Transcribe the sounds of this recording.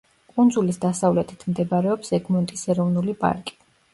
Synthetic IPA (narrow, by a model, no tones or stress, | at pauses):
kʼund̪zulisd̪asavlɛt̪ʰi̥t̪ʰmd̪ɛbaɾɛɔpsɛɡmɔnt̪ʼisɛɾɔvnulipʼa̰ɾkʼi̥